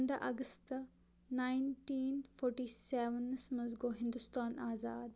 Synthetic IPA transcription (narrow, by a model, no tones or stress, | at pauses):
nd̪ɐʔɐɡəst̪ | naːjnʈiːnfʰoːɾʈiːseːʋənsmɐzɡoːɦɪ̃nd̪ust̪aːnaːzaːd̪